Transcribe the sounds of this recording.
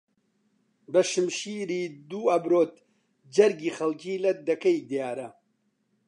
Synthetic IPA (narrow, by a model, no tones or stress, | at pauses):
bɐʃɨmʃiɾiːd̪uːɐbɾoːt̪̚ | d͡ʒɐɾɡiːxɐlciːlɐd̪ɐkɐjd̪ijaːɾɐ